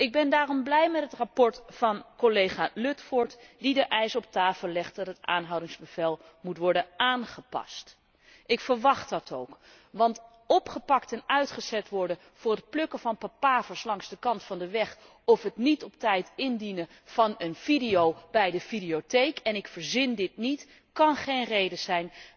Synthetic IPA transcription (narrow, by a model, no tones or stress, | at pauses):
ʔɪɡ̚bɛndaːrɔmblɛjmɛtɦətrapɔɹtfɑnkolejχaːlɵtfɔɹtdidəʔɛjsɔp̚taːfəlˠlɛχtdɑtəta̰ːnɦɑwdɪŋzbəv̥ɛlˠ | mutʋɔɹdəaːnχəpɑ̰st | ʔɪkfəɹʋɑχtɑtowk | ʋɑnt | ɔpχəpɑktɛnœɥtχəz̥ɛtʋɔɹdə | v̥ʊːrət̚plɵkəvɑnpapaːvəɹslɑŋzdəkɑntfɑndəʋɛχ | ɔfɦətnitɔp̚tɛjtɪndinə | v̥ɑnənv̥idijowbɛjdəfidiotejkʰɛnɪkfəɹzɪndɪtnit | kɑnχejnrejdəzɛjn